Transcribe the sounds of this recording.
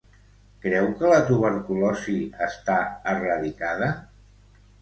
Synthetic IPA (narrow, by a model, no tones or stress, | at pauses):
kɾɛwkələt̪uβəɾkulɔziəst̪aərəðikaðə